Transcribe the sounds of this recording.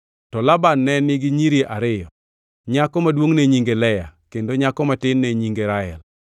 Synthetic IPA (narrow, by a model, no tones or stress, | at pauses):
tɔlabanːɛnɪɡɪɲiɾjeʔaɾɪjɔ | ɲakɔmadwoŋneɲiŋɡelɛjakendoɲakɔmatɪnːeɲiŋɡeɾaɛ̰l